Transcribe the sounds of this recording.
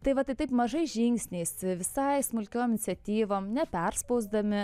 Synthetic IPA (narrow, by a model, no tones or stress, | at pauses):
t̪ɐɪʋɐt̪ɐɪt̪ɐɪpmɐʒɐɪʒʲɪŋksʲnʲeɪsʋʲɪsɐɪsmʊlʲkʲoːmɪnʲɪt̪sʲɛt̪ʲiːʋoːmnʲɛpʲɛɾspɐʊzd̪ɐmʲɪ